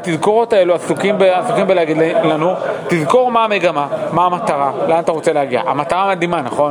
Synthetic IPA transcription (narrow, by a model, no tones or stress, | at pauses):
t̪izko̞ʁo̞tae̞luasukimbeasukimbeleaɡidlanutizko̞ʁmaːme̞ɡamamaːmataʁalamat̪aʁo̞t͡se̞leaɡia̰ʔamataʁaːmad̪imanaχo̞n